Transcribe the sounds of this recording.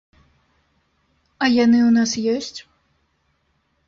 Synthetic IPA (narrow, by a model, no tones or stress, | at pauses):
ɐjanɨwnasjɔsʲt͡sʲ